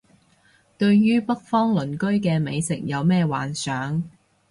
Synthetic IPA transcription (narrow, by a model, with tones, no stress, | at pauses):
t̪ɵ˧ɥjyː˥pɐ˥k̚fɔː˥ŋlɵ˨˩nkɵ˥ɥkɛː˧me˨˧jsɪ̰˨k̚jɐ˨˧wmɛː˥wa̰ː˨nsœː˨˥ŋ